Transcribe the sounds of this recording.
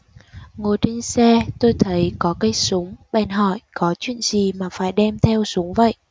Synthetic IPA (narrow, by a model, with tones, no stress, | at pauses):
ŋo˨˩jt͡ɕe˧nsɛ˧t̪o˧jt̪ʰə˨˦jkɔ˨˦kə˨˦jsʊ˨˦ŋ͡mɓɛ˨˩nɦɔ̰˧˨jkɔ˨˦t͡ɕwḭ˧˨ənzi˨˩maː˨˩faː˧˩jɗɛ˧mt̪ʰɛ˧wsʊ˨˦ŋ͡mvə̰˧˨jʔ